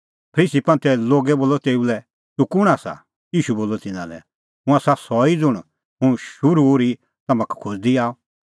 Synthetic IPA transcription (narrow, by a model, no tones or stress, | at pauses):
pʰɐɾiːsipɐ̃nt̪ʰɛloːɡɛboːlːɔt̪eːulɛ | t̪ukʊɽ̃aːsa̰ | jiːʃuboːlɔt̪ɪnã̰lɛ̰ | ɦʊ̃ãsasɔid͡zʊɽ̃ | ɦʊ̃ʃʊɾuɾi | t̪ɐmãkkʰʊsd̪iaːɔ